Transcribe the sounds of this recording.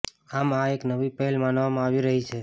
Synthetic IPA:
amaeknəʋipəɦɛlmanʋamãaʋiɾəɦit͡ʃʰe

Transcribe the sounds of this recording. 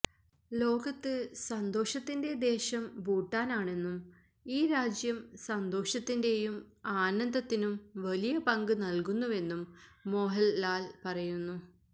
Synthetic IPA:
lo̞ːɡɐt̪ːɨsɐnd̪o̞ːʂɐt̪ːinde̞d̪e̞ːɕɐmbuːʈːaːnaːɳe̞nːum | iːɾaːd͡ʑjɐmsɐnd̪o̞ːʂɐt̪ːinde̞jumaːnɐnd̪ɐt̪ːinumʋɐlijɐpɐŋɡɨnɐlkunːuʋe̞nːumːo̞ːɦɐlːaːlpɐrɐjunːu

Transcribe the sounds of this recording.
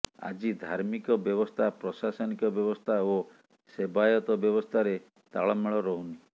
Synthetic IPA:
a̰d͡ʒid̪ʱaɾmikɔbjɔβɔst̪ʰapɾɔsasɔnikɔbjɔbɔst̪ʰao | sebajɔt̪ɔbjɔβɔst̪ʰaɾe | t̪a̰ɭɔmeɭɔɾɔɦuni

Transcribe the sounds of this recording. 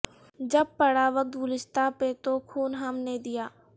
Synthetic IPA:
d͡ʒəb̚pəɽaːʋək̚t̪ɡʊlɪst̪apet̪okʰuːnɦɐmned̪ijaː

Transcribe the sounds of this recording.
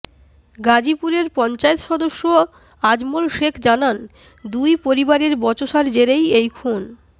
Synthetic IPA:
ɡad͡ʑipuɾeɾpɔnt͡ɕaet̪ʃɔd̪oʃːo | ad͡ʑmolʃekʰd͡ʑanan | d̪ujpoɾibaɾeɾbɔt͡ɕoʃaɾd͡ʑeɾejejkʰun

